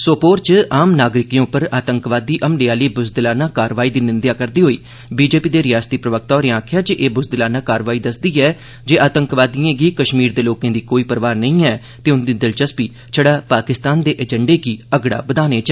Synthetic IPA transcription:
soːpoːɾt͡ʃaːmnaːɡɾɪkijõːpəɾaːt̪əŋkʋaːd̪iːʔəmɖeːaːliːbʊsd̪ɪlaːnãːkaːɾʋaːiːd̪iːnɪnd̪jaːkəɾd̪iːɦoːiː | biːd͡ʒeːpiːd̪eːɾɪjaːst̪iːpɾəʋək̚t̪aoːɾeãːkʰɪjaːd͡ʒeʔeːbʊsd̪ɪlaːnãːkaːɾʋaːiːd̪əsd̪iːɛː | d͡ʒeːʔaːt̪ə̃ŋkʋaːd̪iẽːɡiːkəʃmiːɾd̪eːloːkẽːd̪iːkoːiːpəɾʋaːɾnəĩːɛː | t̪eːʊnd̪iːd̪ɪlt͡ʃəspiː | t͡ʃʰəɽaːpaːkɪst̪aːnd̪eːʔɛːd͡ʒəɳɖeːɡiːəɡɽa̰ːbəd̪aːneːt͡ʃː

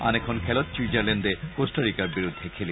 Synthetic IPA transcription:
a̰nekʰɔnkʰelɔt̪t͡ʃwid͡ʒaɾlɛnɖekosʈaɾikaɾbiɾud̪ʱːekʰeli

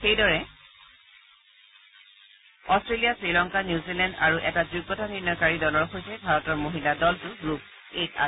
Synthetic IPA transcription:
xejdɔɹɛ | ɔstɹelijasɹilɔŋkanjuzilɛndaɹuʔɛtad͡ʒuɡːɔtaninɔkaɹidɔlɔɹxojsɛbʱaɹɔtɔɹmoɦiladɔltʊɡɹup̚ | eta̰

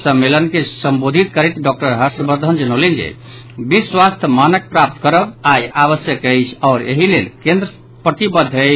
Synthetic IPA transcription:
səmːelənkesəmbod̪ʱit̪kəɾet̪ɖɔk̚ʈəɾɦəɾsbəɾd̪ʱənd͡ʒənəlind͡ʒḛ | biswast̪ʰəmanək̚pɾap̚t̪kəɾəbajaβəsjəkɛjt͡ʃʰɔʊɾḛɦilelkẽnd̪ɾə | pɾət̪ibəd̪ʱːəj

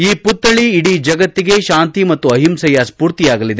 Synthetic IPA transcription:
iːput̪ːɐɭiːɽid͡ʒɐɡɐt̪ːiɡe̞ʃaːnt̪imɐt̪ːuɐɦimsɐjɐspuːɾt̪ijaːɡɐlid̪e

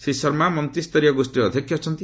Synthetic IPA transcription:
sisɔɾmamɔnt̪ɾist̪ɔɾijɔɡosʈiɔd̪ʱjɔkʰjɔt͡ʃʰɔnt̪i

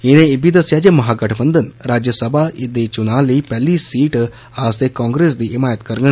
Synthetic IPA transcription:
ɪnẽɪbid̪ɐsjad͡ʒemɐɦaːɡɐʈʰbə̃nd̪ənɾaːd͡ʒjəsəbʱaʔɪd̪et͡ʃʊnaːliːpɛlisiːʈ | aːst̪ekãːŋɡɾeːs̬d̪iʔɪmaːjət̪kɐɾɡə

